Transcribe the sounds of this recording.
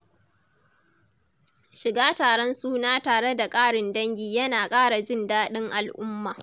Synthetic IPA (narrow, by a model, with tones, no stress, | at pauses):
ʃɪ˨ɡaː˦taː˨ɽɔ˦nsuː˦naː˦taː˨ɽe˦da˨kʼaː˦ɽɪ˨ndɐ˦ŋɡʲiː˨jɐ˦naː˨kʼaː˦ɽa˨d͡ʒɪ˦ndaː˦ɗɪ˦ŋʔa˨lʔʊ˦mːaː˨